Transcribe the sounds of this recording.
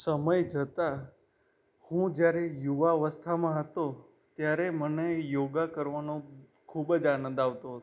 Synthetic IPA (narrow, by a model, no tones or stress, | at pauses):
səməjd͡ʒət̪a | hũd͡ʒjaɾejuʋaʋəst̪ʰamãɦət̪o | t̪jaɾemənejoɡakəɾʋanõ | kʰubd͡ʒanə̃nd̪aʋt̪oɦət̪